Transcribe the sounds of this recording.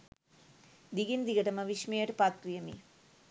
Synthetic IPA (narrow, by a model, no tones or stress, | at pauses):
d̪iɡind̪iɡɐʈɐmɐʋiʃmejɐʈpat̪ːijɐmḭ